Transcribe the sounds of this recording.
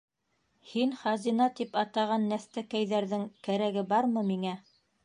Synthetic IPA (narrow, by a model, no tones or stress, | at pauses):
hinχɑzinɑt̪ipɑt̪ɑʁɑnːæθt̪ækæjðæɾðɘŋkæɾæɡɘbɑɾmɤmiŋæ